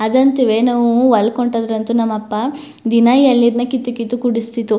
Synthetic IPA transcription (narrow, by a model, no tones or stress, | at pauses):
ɐd̪ɐnt̪iʋenɐʋuʋɐlkoɳʈɐd̪ɐɾɐnt̪unɐmːɐpːɐ | d̪inaːjɐlːiɾnɐkit̪ːukit̪ːukuɽist̪it̪ːu